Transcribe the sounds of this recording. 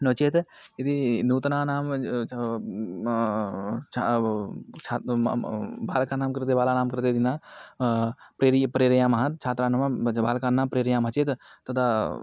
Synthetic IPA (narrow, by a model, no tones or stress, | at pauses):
not͡ʃet̪ | ed̪inuːt̪nanaːm | t͡ʃʰ | t͡ʃʰa | baːlkanaːmkɾt̪̬ebaːlanaːmkɾt̪ed̪ina | pɾeɾjpɾeːɾjaːmaɦɐt̪t͡ʃʰaːt̪ɾanɐmbaːlkaːnːapɾeːɾjaːmɐt͡ʃet̪t̪ɐd̪a